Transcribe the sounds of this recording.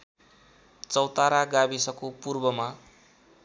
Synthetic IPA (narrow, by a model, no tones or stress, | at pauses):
t͡sʌwt̪aɾaɡabisʌkopurbʌma